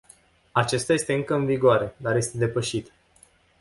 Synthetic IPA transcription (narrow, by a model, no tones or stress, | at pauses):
at͡ʃe̞st̪aje̞st̪e̞ɨŋkəɨnviɡoaɾe̞d̪arje̞st̪e̞d̪e̞pəʃit̪